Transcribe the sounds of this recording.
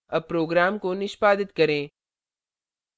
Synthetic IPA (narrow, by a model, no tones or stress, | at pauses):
ɐpɾoːɡɾaːmkonɪʃpaːd̪ɪt̪kɐɾẽː